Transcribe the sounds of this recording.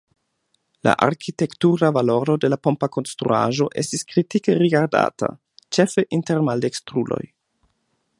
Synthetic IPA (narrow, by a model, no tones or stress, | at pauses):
la̰ʔaɾkite̞ktuɾavalo̞ɾo̞de̞lapo̞mpako̞nstɾṵa̰ʒo̞ʔe̞̰stiskɾitikeɾiɡaɾda̰ta̰ | t͡ʃe̞fe̞ʔinteɾmalde̞kstɾulo̞̰j